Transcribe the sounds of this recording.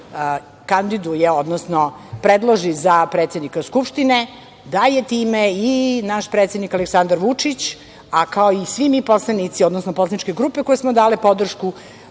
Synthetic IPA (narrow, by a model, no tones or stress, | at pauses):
kand̪id̪ujeod̪nosnopɾed̪lˠoʒizapɾet̪sʲed̪nikaskupʂt̪ine | d̪ajet̪iːmeinaʃpɾeːt̪sed̪nikaleksand̪aɾʋut͡ʂit͡ɕ | akaoisʋimiposlˠanit̪sio̞d̪nosnoposlˠanit͡ʃkeɡɾuːpeko̞jesmod̪aːlipo̞d̪r̩ʃku